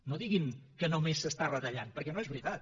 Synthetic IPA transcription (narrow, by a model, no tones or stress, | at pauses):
noðiɣinkənomesːəst̪arət̪əʎanpəɾkɛnoezβɾit̪at̪̚